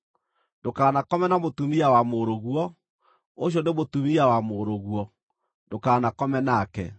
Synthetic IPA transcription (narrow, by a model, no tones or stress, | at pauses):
ndokaːnakɔmɛnamotumiawamoɾoɣwɔ | oɕ̬jɔnemotumiawamoɾoɣwɔ | ndokaːnakɔmɛnakɛ̰